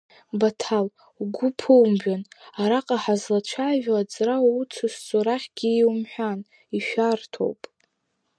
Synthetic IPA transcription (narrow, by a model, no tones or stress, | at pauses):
batʰal | uɡʷʊpʰɨwmbʷᶣanaɾaqʼaħazlat͡ʃʷʰaːvᶣaat͡sʼraut͡sʰʊst͡sʼoɾaχʲɡ̥ʲɪːwmħʷᶣan | iʃᶣartʰo̞̰wpʼ